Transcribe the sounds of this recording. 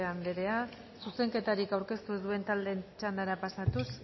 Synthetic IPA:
amdeɾe̞a | suse̞ŋke̞t̪aɾikawɾke̞st̪uðue̞nt̪ald̪e̞nt͡ʃand̪aɾapasat̪us

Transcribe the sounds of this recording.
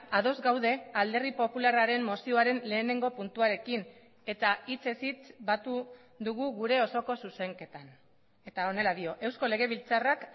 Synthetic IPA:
aðo̞zɡawðe̞ald̪e̞ripo̞pularaɾe̞mmo̞sio̞aɾe̞nle̞ːne̞ŋɡo̞punt̪uaɾe̞kin | e̞t̪ait͡se̞sit͡sbat̪u | ðuɣuɣuɾe̞o̞so̞ko̞suse̞ŋke̞t̪an | e̞t̪ao̞ne̞laðio̞ʔe̞wsko̞le̞ɣ̞e̞β̞ilt͡sarak

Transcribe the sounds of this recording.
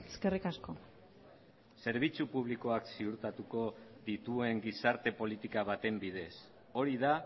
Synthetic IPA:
eskerikasko̞ | se̞ɾβit͡supuβ̞liko̞aksiuɾt̪at̪uko̞ðit̪ue̞ŋɡisaɾt̪e̞po̞lit̪ikaβat̪e̞mbið̞e̞s | o̞ɾiða

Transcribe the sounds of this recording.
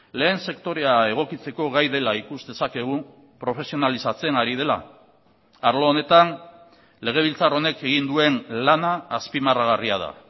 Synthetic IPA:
le̞ːnse̞kt̪o̞ɾe̞ae̞ɣ̞o̞kit͡se̞ko̞ɣajðe̞laikuzðe̞sake̞ɣ̞u | pɾo̞fe̞sio̞nalisat͡se̞naɾiðe̞la̰ː | ɾlo̞ːne̞t̪an | le̞ɣ̞e̞β̞ilt͡saro̞ne̞ke̞ɣ̞ind̪ue̞nlanaːspimaraɣ̞ariað̞a̰

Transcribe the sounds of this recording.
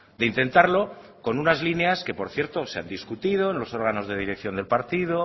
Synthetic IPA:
d̪eint̪e̞nt̪aɾlo̞ko̞nunazline̞aske̞po̞ɾθje̞ɾt̪o̞sea̰nd̪iskut̪ið̞o̞enlo̞so̞ɾɣano̞zðe̞ð̞iɾe̞kθjond̪e̞lpaɾt̪ið̞o̞

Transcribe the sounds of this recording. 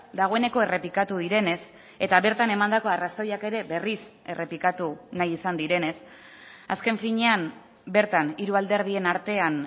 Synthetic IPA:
d̪aɣ̞o̞e̞ne̞ko̞e̞re̞pikat̪uð̞iɾe̞ne̞s | e̞t̪aβe̞ɾt̪ane̞mand̪ako̞araso̞jake̞ɾe̞be̞ris | e̞re̞plikat̪unajisand̪iɾe̞ne̞s | a̰ske̞ɱfiɲe̞am | be̞ɾt̪aniɾuald̪e̞ɾð̞ie̞naɾt̪e̞an

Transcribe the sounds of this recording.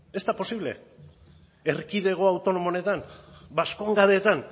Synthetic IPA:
e̞st̪apo̞siβle̞̰ | erkiðe̞ɣ̞o̞awt̪o̞no̞mone̞t̪anbasko̞ŋɡaðe̞t̪an

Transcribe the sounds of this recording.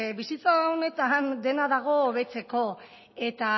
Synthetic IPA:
bisit͡saone̞t̪and̪e̞naðaɣ̞o̞ːβe̞t͡se̞ko̞ | e̞t̪a

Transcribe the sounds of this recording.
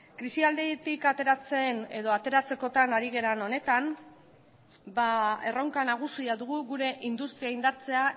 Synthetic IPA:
kɾisiald̪et̪ikat̪e̞ɾat͡se̞ne̞ðo̞at̪e̞ɾat͡se̞ko̞t̪anaɾiɣe̞ɾano̞ne̞t̪am | bae̞rowŋkanaɣ̞usiaðuɣuɣuɾe̞ʔind̪ust̪ɾiaind̪aɾt͡se̞a

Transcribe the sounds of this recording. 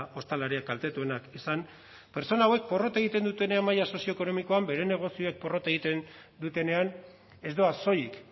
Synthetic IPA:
o̞st̪alaɾiak̚alt̪e̞t̪ue̞nakisan | pe̞ɾt͡so̞nawe̞k̚po̞ro̞t̪eɣit̪e̞nd̪ut̪e̞ne̞amːajaso̞sio̞eko̞no̞miko̞ambe̞ɾe̞ne̞ɣ̞o̞sio̞ek̚po̞ro̞t̪aeɣit̪e̞n | d̪ut̪e̞ne̞an | e̞zd̪oaso̞jik

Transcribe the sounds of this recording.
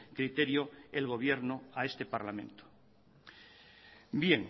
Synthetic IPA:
kɾit̪e̞ɾjoelɣ̞o̞β̞jeɾnoaest̪e̞paɾlamẽ̞nt̪o̥ | bjeŋ

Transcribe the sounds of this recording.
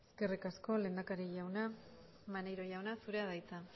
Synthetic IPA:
eske̞rikasko̞le̞ːnd̪akaɾiʝawna | manejɾo̞ʝawnasuɾe̞að̞ajt͡sa

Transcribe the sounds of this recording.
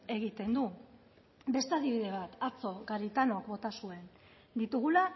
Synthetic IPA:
e̞ɣ̞it̪e̞nd̪u | be̞st̪eaðiβ̞iðe̞β̞at̪at͡so̞ɣaɾit̪anokbo̞t̪asue̞n | d̪it̪uɣ̞ula

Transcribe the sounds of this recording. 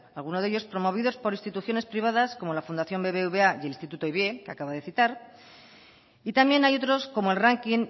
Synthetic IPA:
alɣ̞unoðeʎo̞spɾo̞mo̞β̞iðo̞spo̞ɾist̪it̪uθjo̞ne̞spɾiβaðasko̞mo̞lafund̪aθjo̞mbe̞βe̞uβe̞ajelinst̪it̪ut̪oiβe̞kea̰kaβaðe̞θit̪aɾ | it̪ambje̞najo̞t̪ɾo̞sko̞moe̞lraŋkin

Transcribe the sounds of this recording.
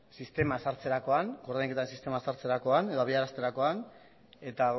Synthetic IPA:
sist̪e̞masaɾt͡se̞ɾako̞aŋkoɾðejŋke̞t̪aɾensist̪e̞masaɾt͡se̞ɾako̞aneðoaβiaɾast̪eɾako̞an | e̞t̪a

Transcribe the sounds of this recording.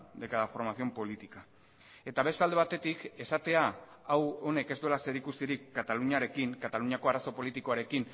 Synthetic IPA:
d̪e̞kaðafo̞ɾmasio̞mpo̞lit̪ika | e̞t̪aβe̞st̪ald̪e̞β̞at̪e̞t̪ike̞sat̪e̞aːwo̞ne̞ke̞zd̪ue̞lase̞ɾikust̪iɾikːat̪aluɲaɾe̞kiŋkat̪aluɲako̞aɾaso̞po̞lit̪iko̞aɾe̞kin

